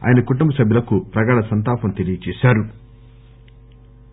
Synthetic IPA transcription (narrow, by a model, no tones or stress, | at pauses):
a̰ːjɐnɐkuʈumbɐsɐbʱjilɐkupɾɐɡaːɽɐsɐnt̪aːpɐmt̪elijɐt͡ʃɛːsaːɾu